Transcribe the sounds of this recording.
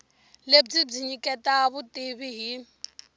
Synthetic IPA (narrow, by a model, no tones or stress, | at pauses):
leb͡ʐib͡ʐiɲikʼɛtʼaβʊtʼɪβiɦi